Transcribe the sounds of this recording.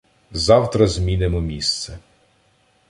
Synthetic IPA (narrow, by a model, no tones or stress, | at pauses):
zɑwt̪ɾɐzmʲinɪmɔmʲist̪sɛ